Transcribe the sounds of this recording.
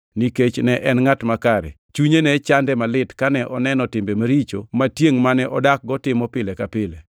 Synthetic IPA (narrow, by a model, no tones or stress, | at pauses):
niket͡ʃnɛʔɛnŋatmakaɾɛ̰ | t͡ʃuɲenɛt͡ʃandɛmalɪtkanɛʔɔnɛnɔtɪmbemaɾit͡ʃomatjeŋmanɛʔɔdak̚ɡɔtɪmɔpɪlekapɪle